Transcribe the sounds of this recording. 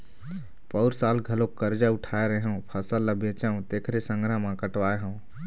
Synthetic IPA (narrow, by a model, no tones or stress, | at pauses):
pəʊɾsaːlɡʱəlõkːəɾd͡ʒaʊʈʰaːeɾəɦũpʰəsəlːəbẽːt͡ʃaũt̪eːkʰɾesə̃ŋɡʱɾamãkəʈʋaːeɦə̃ũ